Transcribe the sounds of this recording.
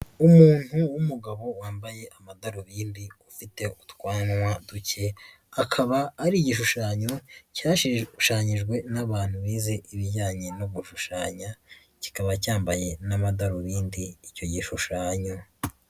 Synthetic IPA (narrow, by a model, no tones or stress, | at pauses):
umuːn̥huwumuɡaβo̞waːmbaje̞ʔamadaɾoβiːndiufite̞ʔutkwaːnwaduce̞ | akʰaβaːɾiɟiʃ̬uʃaːɲo̞caːʃiʃaːɲiʒɡwe̞naβaːn̥huβiːze̞ʔiβiɾɟaːɲe̞noβuʃuʃaːɲa | ci̥kaβacaːmbaje̞namadaɾoβiːndiːco̞ɟiʃuʃaːɲo